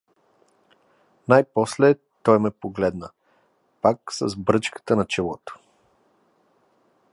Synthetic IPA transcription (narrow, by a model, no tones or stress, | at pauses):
najpɔslɛ | t̪ɔjmɛpoɡlɛd̪nə | paksəzbɾɤt͡ʃkə̥t̪ənɐt͡ʃɛlˠɔt̪o̥